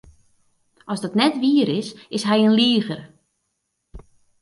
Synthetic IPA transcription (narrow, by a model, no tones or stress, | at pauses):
ʔɔsdɔtnɛtʋiːəɾɪsɪsɦɛjənliəɣər